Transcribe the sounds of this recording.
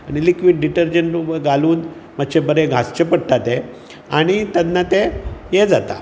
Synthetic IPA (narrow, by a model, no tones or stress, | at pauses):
aɽ̃ilikʋiːɖɖiʈəɾd͡ʑəɳʈɾubəɡaluːnməɕebəɾeɡʱast͡ɕepəɽʈ̪at̪e | aɽ̃it̪ad̪nat̪ejed͡zat̪a̰